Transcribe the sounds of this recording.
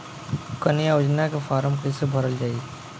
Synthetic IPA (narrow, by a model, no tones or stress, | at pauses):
kɐnɪjaʊd͡ʒnakefaːɾəmkisebʱɐɾəld͡ʒaːi